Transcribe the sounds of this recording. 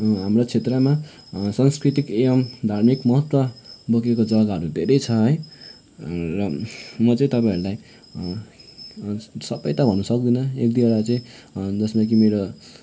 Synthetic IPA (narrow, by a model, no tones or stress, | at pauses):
ɦamrot͡sʰet̪rʌma | sanskɾrit̪ikeʌmd̪ʱarmikmʌɦʌt̪wʌbʱʌkekod͡zʌɡaɦʌɾud̪ʱeɾʌjt͡sʰʌɦʌj | rʌmʌt͡sʌĩt̪ʌpaĩʌɾulaj | sʌpːʌjt̪abʱʌnːusʌk̚d̪inʌek̚d̪iʌɾat͡sʌĩd͡zʌsmakimeɾo